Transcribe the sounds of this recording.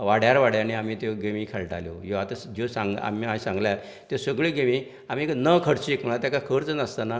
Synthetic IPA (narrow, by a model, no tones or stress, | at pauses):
ʋaɽjaɾʋaɽjañiamiːt̪oɡemiːkʰɛlʈa̰ljo̰joat̪asd͡ʑosãŋɡa̰miasãŋɡlja | t̪esəɡɭiɡeʋi | am̤iknəkʰəɽt͡ɕikm̤əɭ̃at̪jakakʰəɾt͡sənəst̪ana